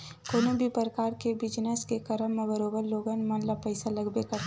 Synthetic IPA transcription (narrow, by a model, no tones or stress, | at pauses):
koːnõbʱipəɾəkaːɾkebɪd͡ʒnəskekɐɾəmːɐbəɾoːɡənloːɡənmɐnlapəɪsalɐɡbeka